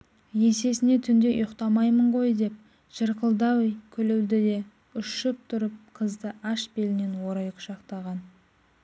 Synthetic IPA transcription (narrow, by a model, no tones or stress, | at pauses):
je̞se̞sɪne̞t̪ʰʏnd̪e̞ʔʊ̰jʊqt̪ɑmɑjməɴʁo̞jd̪e̞p̚ | ʒ̥əɾqəlˠd̪ɑwkʲʰɵlewd̪ɪd̪e̞ | ʏʃːʏp̚t̪ʰʊɾəp̚qʰəzd̪əʔɑʃbe̞lɪne̞nwo̞ɾɑjqʰʊ̥ʃɑqt̪ɑʁɑn